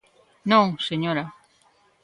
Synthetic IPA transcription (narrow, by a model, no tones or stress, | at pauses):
nõŋseɲoɾa